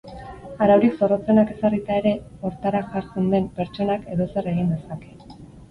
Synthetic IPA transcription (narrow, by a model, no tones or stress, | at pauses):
aɾawɾikso̞ro̞t͡se̞nake̞sarit̪ae̞ɾe̞ | o̞ɾt̪aɾaʝaɾt͡se̞nd̪e̞mpe̞ɾt͡ʃo̞nake̞ðo̞se̞ɾe̞ɣind̪e̞sake̞